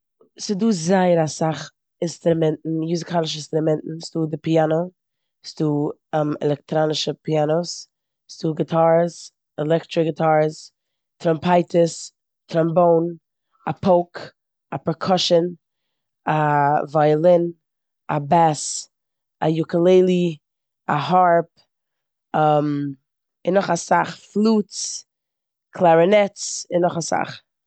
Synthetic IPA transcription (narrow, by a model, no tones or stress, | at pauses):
sɪduːzaɪəɾasaχ | ɪnstɾʊmɛntn̩juzɪkʰalˠɪʃ̬əɪnstɾʊmɛntn̩sduːdɪpiano | sduːɛmɛ̰lˠɛk̚tɾanɪʃəpianoʊs | sd̥uːɡɪtʰaɾs | ɛlˠɛktɾɪɡɪtʰaːɾs | tʰɾɔmpʰaɪtʰəs | tʰɾamboʊn | apʰoʊk | apɾɛkʰɔʃən | avaɪlˠɪn | abɛs | ajʊkəlˠeɪlˠi | ahaɹp̚ | am | ɪnːɔχasa̰χflˠuːt͡s | kʰlˠaɾɪnɛt͡sɪnːɔχasa̰χ